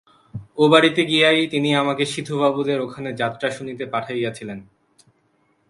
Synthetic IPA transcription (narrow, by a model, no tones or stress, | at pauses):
obaɽit̪eɡiajt̪iniamakeʃid̪ʱubabud̪eɾokʰaned͡ʑat̪ːɾaʃunit̪epaʈʰajjat͡ɕʰilen